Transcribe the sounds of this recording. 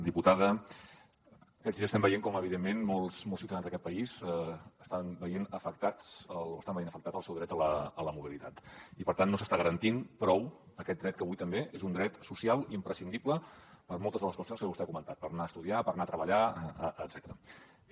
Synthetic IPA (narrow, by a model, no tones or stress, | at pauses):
d̪iput̪aðə | kɛziəst̪ɛmbəjeŋkɔməβiðemːenmɔlˠsmɔlsiut̪əðanzðəkɛt̪̚pəizəst̪anbəjenəfəkt̪aəlo̰əst̪ambəjenəfək̚t̪at̪əlˠsɛwðɾɛt̪ələələmuβilit̪at̪ipəɾt̪anːosəst̪aɣəɾənt̪inpɾɔw | əkɛt̪̚d̪ɾɛt̪kəβujt̪əmbeʔezund̪ɾɛt̪susialˠimpɾəsind̪ipləpəɾmolˠt̪əzðələskwəst̪jonskəβust̪ɛkumənt̪at̪̚pəɾnaəst̪uðiapəɾnaət̪ɾəβəʎaːd̪zɛt̪əɾə